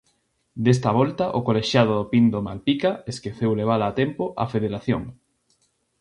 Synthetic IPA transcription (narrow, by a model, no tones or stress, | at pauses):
d̪es̬t̪ɐβɔlt̪ɐʔokoleʃjað̞ʊðopind̪oma̰lpikaeskeθewleβ̞alaːt̪empoʔa̰feðeɾaθjoŋ